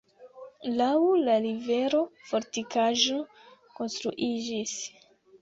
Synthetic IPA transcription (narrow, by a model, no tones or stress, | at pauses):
lawlaɾive̞ɾo̞fo̞ɾtikaʒo̞ | ko̞nstɾuʔid͡ʒis